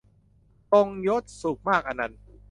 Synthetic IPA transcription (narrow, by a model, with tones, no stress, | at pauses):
t̪o˧ŋjo˦˥t̪̚su˨˩k̚maː˥˩k̚ʔa˧nːa˦˧n